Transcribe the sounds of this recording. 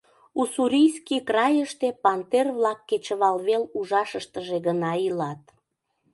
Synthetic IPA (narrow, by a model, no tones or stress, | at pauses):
usuɾʲijskikrɑjəʃt̪epɑnt̪erβlɑkːet͡ɕəβɑlβeluʒɑʃəʃt̪əʒeɣənɑilɑt̪